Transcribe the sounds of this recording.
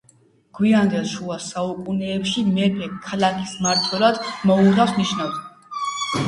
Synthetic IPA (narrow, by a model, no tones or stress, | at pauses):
ɡ̥wiand̪ɛlˠʃuasaukʼunɛːpʃimɛpɛkʰalakʰismaɾt̪ʰwɛlˠad̪̥mɔuʁafsniʃnafs